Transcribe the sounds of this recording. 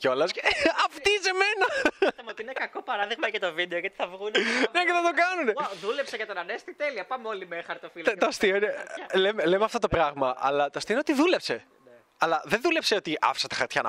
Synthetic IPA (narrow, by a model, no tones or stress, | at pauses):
ceo̞lɐsɐft̪ise̞me̞nɐɐmeot̪iinekɐko̞pɐɾɐðiɣmɐʝɐt̪o̞vid̪eoʝɐt̪i̥θɐvɣunneceθɐt̪o̞kɐnuneðulepseʝɐt̪onɐnest̪it̪e̞liɐpɐmeolimexɐɾt̪ofilt̪ɐst̪ioinelemelemeɐft̪ot̪o̞pɾɐɣmɐʔɐ̰lɐt̪oɐst̪ioneot̪iðule̞pse̞ | ɐlɐðenðulepseo̞t̪iʔɐ̰fi̥sɐt̪ɐ̥xɐɾt̪çɐnɐ̰